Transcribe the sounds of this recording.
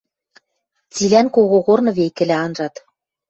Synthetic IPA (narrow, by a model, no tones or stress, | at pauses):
t͡silænkoɣoɣornɤ̆βejkɘ̆læɑnʒɑt̪